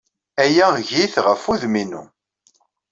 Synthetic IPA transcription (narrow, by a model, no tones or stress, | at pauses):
æjæʝiθʁəfuðminṵ